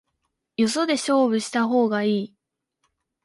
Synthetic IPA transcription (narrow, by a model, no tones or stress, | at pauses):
joso̞d̪e̞ɕo̞ːβɯ̟ɕi̥t̪aɦo̞ːɡaiː